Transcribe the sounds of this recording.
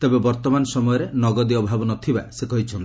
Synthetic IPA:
t̪ebebɔɾt̪ɔmanɔsɔmɔjɔɾenɔɡɔd̪iɔbʱabɔnɔt̪ʰibasekɔɦit͡ʃʰɔnt̪

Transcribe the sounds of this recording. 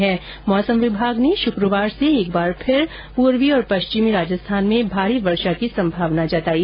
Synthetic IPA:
ɦɛ̃ː | mɔːsəmʋɪbʱaːɡneʃʊkɾəʋaːɾseeːkbaːɾpʰɪɾ | puːɾʋiɔːɾpɐʃt͡ʃɪmiɾaːd͡ʒəst̪ʰaːnmẽbʱaːɾiʋɐɾʃakisɐ̃mbʱaːʋnad͡ʒat̪aːi

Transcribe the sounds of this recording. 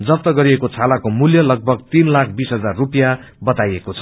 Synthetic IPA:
d͡zʌp̚t̪ʌɡʌɾiekot͡sʰalakomuljʌlʌɡ̚bʱʌɡt̪inlakʰbisɦʌd͡zarːupjabʌt̪ajekot͡sʰʌ̥

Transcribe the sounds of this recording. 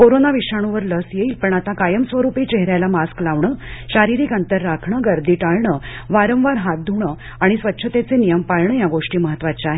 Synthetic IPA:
koɾonaʋiʂaɽ̃uʋəɾləsjeiːlpəɳat̪akajəmsʋəɾupit͡ɕeɦɾjalamasklaʋɳəːɕaɾiɾiːkənt̪əɾːakʰɳəɡəɾd̪iːʈaɭɳəʋaɾə̃ʋʋaɾɦat̪̚d̪ʱuɳə | aɽ̃isʋətːɕʰət̪et͡senijəmpaɭɳəjaɡoʂʈiːməɦət̪ːʋat͡ɕeaɦe

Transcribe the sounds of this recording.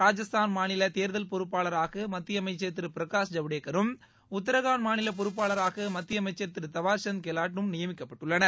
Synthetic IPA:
ɾaːd͡ʒɐst̪ʰaːnmaːnɪlɐt̪eːɾðɐlpɔɾɯpːaːlɐɾaːɣɐmɐt̪ːɪjɐmɐɪt͡ʃːɐɾt̪ɪɾɯpɪɾɐkaːsd͡ʒɐʋɪɽeːkːɐɾɯm | ʊt̪̬ːɐɾɐɣaːnmaːnɪlɐp̬ɔɾɯp̬ːaːlɐɾaːɣɐmɐt̪ːɪjɐmɐɪt͡ʃːɐɾt̪ɪɾɯt̪ɐʋaːɾsɐnkeːlaːʈːɯmnɪjɐmɪkːɐpːɐʈːɯɭːɐnɐ

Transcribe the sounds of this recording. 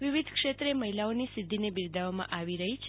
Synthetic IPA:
ʋiʋid̪ʱkʃet̪ɾeməɦilaonisɪd̪ʱːinebiɾd̪ʱaʋamã̰ʔaʋiɾəɦit͡ʃʰ

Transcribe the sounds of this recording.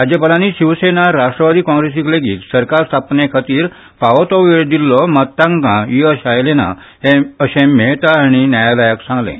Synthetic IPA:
ɾad͡ʑjəpəlaniːɕiʋsenaɾaʂʈɾəʋad̪iːkɔ̃ŋɡɾesikleɡiːt̪səɾkaɾst̪ʰapnekʰat̪iːɾ | paʋt̪ɔʋeɭd̪ilːɔmət̪ːãŋkãɦiəɕajlena̰ | heəɕẽmɛɭt̪aaɽ̃injajalajəksãŋɡlḛ̃

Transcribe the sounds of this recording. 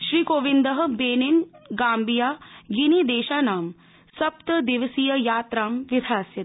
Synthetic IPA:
ʃɾiːkoːʋind̪əɦəbeːninɡaːmbijaːɡinid̪eːʃaːnaːm | sɐpt̪əd̪iʋəsijəjaːt̪ɾaːmʋɪd̪ʱaːsjɐt̪

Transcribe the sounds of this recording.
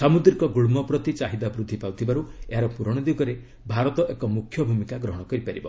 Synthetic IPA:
samud̪ɾikɔɡuɭmɔpɾɔt̪it͡ʃaɦid̪abɾud̪ʱːipawt̪ʰibaɾueɦaɾɔpuɾɔɽ̃ɔd̪uɡɔɾe | bʱaɾɔt̪ɔʔekɔmukʰːjɔbʱumikaɡɾɔɦɔɽ̃ɔkɔɾipaɾibɔ

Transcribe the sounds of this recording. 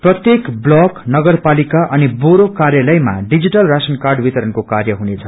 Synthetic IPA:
prʌt̪jekblʌknʌɡʌrpalikaʔʌniboɾokaɾjalʌjma̰ɖid͡ziʈʌlrasʌnkarɖwit̪ʌɾʌnkokarjʌɦunet͡sʰʌ

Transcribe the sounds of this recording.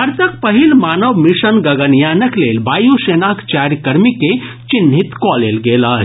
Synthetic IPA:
ɐɾt̪ək̚pəɦilmaːnəʋmiʃənɡɐɡənjanəklelbaːjusenakt͡ʃaɾjkəɾmike | t͡ʃinɦit̪kɔlelɡela

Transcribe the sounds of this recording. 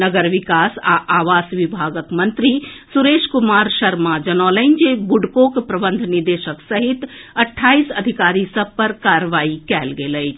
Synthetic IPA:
əɡəɾʋikaːsa̰ʔaːʋaːsʋibʱaːɡək̪mənt̪ɾisuɾeːʃkumaːɾʃəɾmad͡ʒənɔːləɪnd͡ʒebuɖkokpɾəbənd̪ʱniɾd̪eʃəksəɦit̪ɐʈʰːaːisəd̪ʱikaːɾisəb̚pəɾkaɾʋaːikɛːlɡeləɪt͡ʃʰ

